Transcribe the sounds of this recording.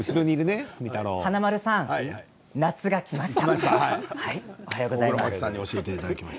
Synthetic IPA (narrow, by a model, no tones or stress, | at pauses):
ɯɕid̪oːɲ̟iːɾɯ̟nemʲit̪aɾoːanamaɾɯ̟sãŋ | nat͡sɨɡakʲimaɕi̥t̪ḁt̪ahaiohajoːɡo̞zaiɾomaasãɲ̟ːio̞ɕie̞t̪eit̪ad̪akʲimas